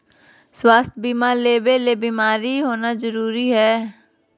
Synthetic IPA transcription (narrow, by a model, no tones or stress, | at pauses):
swaːst̪ʰbiːmaːɾleːbeːleːbiːmaːɾiːɦoːnaːzəɾuːɾiːɦɛː